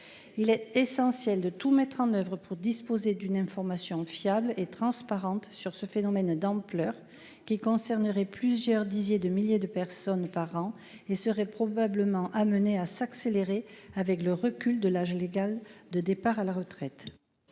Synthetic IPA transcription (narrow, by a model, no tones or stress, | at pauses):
ilɛt̪esɑ̃sjɛld̪ət̪umɛt̪χɑ̃nœvʁəpʰuʁd̪ispozed̪ynɛ̃fɔʁmasjɔ̃fjablet̪χɑ̃spaʁɑ̃t̪syʁsəfenɔmɛnd̪ɑ̃plœʁ | kʲikɔ̃sɛʁnəʁɛplyzjœʁd̪izjed̪əmiljed̪əpɛʁsɔnpaʁɑ̃ | esəʁɛpχɔbabləmɑ̃ʔaməneasakseleʁeavɛkləʁəkʲyld̪əlaʒleɡald̪əd̪epaʁalaʁət̪χɛt̪